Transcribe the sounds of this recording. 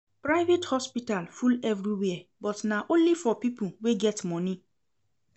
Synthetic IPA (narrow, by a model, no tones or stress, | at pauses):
pɹaɪvethɔspitalfulɛvɾiwɛɛbɔtnaʔõnlifɔpipuweɡɛtmɔ̃ni